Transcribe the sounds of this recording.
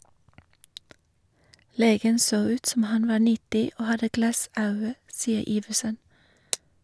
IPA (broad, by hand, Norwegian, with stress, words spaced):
ˈleːɡən ˈsoː ˈʉːt ˈsɔm ˈhɑn ˈʋɑː ˈɳɪtɪ ˈoː ˈhɑdə ˈɡlɑˌsɑʉə ˈsiːə ˈiːʋəsən